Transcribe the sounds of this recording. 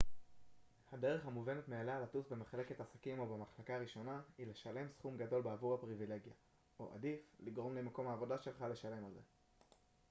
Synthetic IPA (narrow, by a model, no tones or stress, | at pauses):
hade̞ʁe̞χhamuve̞net̪mealaːlatusbe̞meχale̞ke̞t̪asakimo̞bemaχlakaːʁiʃo̞nahile̞ʃale̞msχumɡado̞lbeavuʁhapʁivile̞ɡja | o̰ʔa̰difliɡʁo̞mlemako̞mhaːvo̞daʃe̞lχale̞ʃale̞malze̞̰